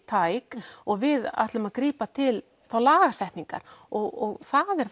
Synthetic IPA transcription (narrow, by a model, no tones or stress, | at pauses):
t̪ʰaːjkɔɣvɪða̰ht̪lʏmaðkɾiːpat̪ʰɪl | θawlaːɣasɛht̪niŋka̰ɾ̥ɔɣɔɣθaðɛɾ̥